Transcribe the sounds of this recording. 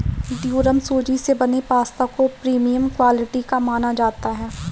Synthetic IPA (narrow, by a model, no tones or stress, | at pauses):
ɖjuːɾəmsoːd͡ʒisebɐnepaːst̪akopɾiːmijəmkwaːlɪʈikamaːnad͡ʒaːt̪aɦɛː